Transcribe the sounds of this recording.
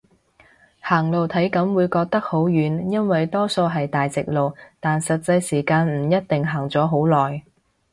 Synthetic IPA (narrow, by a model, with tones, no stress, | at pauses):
haː˨˩ŋlo˨wt̪ʰɐ˨˥jkɐ˨˥mwuː˨˧jkɔː˧k̚t̪ɐ˥k̚ho˨˥wjyː˨˥njɐ˥nwɐ˨jt̪ɔː˥so˧wɦɐ˨jt̪aː˨jt͡sɪ˨k̚lo˨wt̪aː˨nsɐ˨t̚t͡sɐ˧jsiː˨˩kaː˧nm̩˨˩jɐ˥t̚t̪ɪ˨ŋɦaː˨˩ŋt͡sɔː˨˥ɦo˨˥wlɔː˨˩j